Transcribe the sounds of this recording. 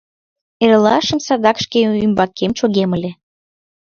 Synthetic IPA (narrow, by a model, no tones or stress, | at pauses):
eɾəlɑʃəmsɑd̪ɑkʃkeymbɑkːemt͡ɕoɣeməlʲe